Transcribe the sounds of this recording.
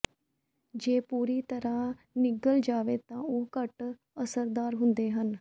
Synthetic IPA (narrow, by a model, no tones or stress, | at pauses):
d͡ʒeːpuːɾiːt̪əɾãː | nɪɡəld͡ʒaːʋeːt̪ãːoːkəʈ | əsəɾd̪aːɾɦʊnd̪eːɦən